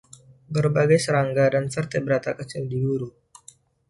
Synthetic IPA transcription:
bərbaɡajsəɾaŋɡadanfərt̪abəɾat̪akət͡ʃɪldiɡuɾu

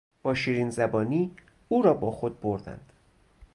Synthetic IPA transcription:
b̥ɒːʃiːɾinzæbɒːniː | uːɾɒːbɒːxod̪̚boɾd̪æ̰nd̪̥

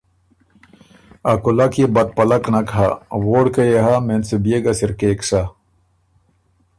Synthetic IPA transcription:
akulɐkjebɐt̪̚pɐlɐknɐka̰ːwoːɽkɐjeɦamensebijeɡɐsiɾkeːksa

